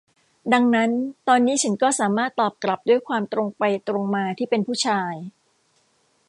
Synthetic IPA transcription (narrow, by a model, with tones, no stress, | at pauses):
da˧ŋna˦˥nt̪ɔː˧nːiː˦˥t͡ɕʰa˦˥nkɔː˥˩saː˩˦maː˥˩t̪ːɔː˨˩p̚kla˨˩p̚du˥˩əjkʰwaː˧mt̪ɾo˧ŋpa˧jt̪ɾo˧ŋmaː˧t̪ʰiː˥˩pe˧npʰuː˥˩t͡ɕʰaː˧j